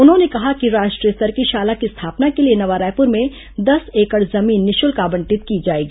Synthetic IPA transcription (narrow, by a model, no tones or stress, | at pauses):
ʊnɦõnekɐɦakiɾaːʃʈɾijəst̪ɐɾkiʃaːlakist̪ʰaːpnakelienɐʋaːɾaːjpʊɾmẽ | d̪ɐseːkəɽzɐmiːnːɪʃʊlkaːbə̃ɳʈɪt̪̚kid͡ʒaːeːɡiː